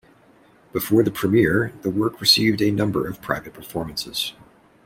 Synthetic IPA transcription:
b̥ɨfɔɹðɨpʰɹ̥ɨmɪɹðəwɜ˞kʰɹɨsivdɨnʌ̃mbə̰˞ʌv̥pʰɹ̥a̰ɪvɨt̚pʰə˞fɔɹmɨ̃n̩sɨz̥

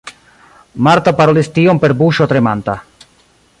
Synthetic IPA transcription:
maɾt̪apaɾolist̪iompeɾbuʃot̪ɾemant̪a

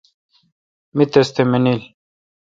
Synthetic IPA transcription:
mit̪est̪emenil

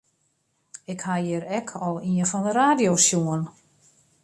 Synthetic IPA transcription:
ɪkhajɪɾɛkʰɔlˠiəfɔndəraːdjosjuən

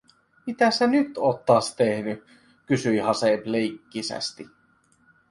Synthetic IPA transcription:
mit̪æsenyt̪oːt̪ːɑːst̪ehny | kysyjɦɑseblejkːisæ̰st̪i

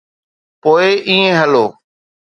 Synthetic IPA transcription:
poːeʔĩːẽɦəloː

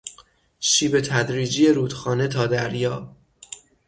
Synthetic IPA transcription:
ʃiːbe̞t̪ʰæd̪ɾiːd͡ʒije̞ɾuːd̪̥xɒːne̞t̪ʰɒːd̪æɾjɒː

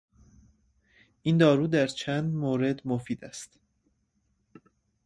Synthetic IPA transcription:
ʔind̪ɒːɾuːd̪æɾt͡ʃʰænd̪moːɾe̞d̪mofiːd̪æst̪

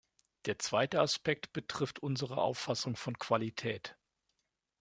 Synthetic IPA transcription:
d̥eːɐt͡sv̥aɪtəaspɛk̚tb̥ətʁ̥ɪftʔʊnzəʁə̰ʔa̰ʊfasʊŋfɔnkv̥alitʰɛːt

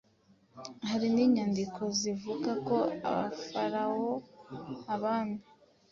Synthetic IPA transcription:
haɾiniːɲandikʰo̞zivuɡako̞a̰βa̰faɾawo̞haβaːna

